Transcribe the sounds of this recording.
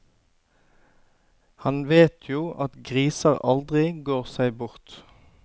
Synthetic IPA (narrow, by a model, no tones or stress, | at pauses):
hɑnʋeːt̪ʰjuːʔɑt̪ɡʁiːsəʁɑld̪ʁɪɡoːʁsæɪbʊʁt̪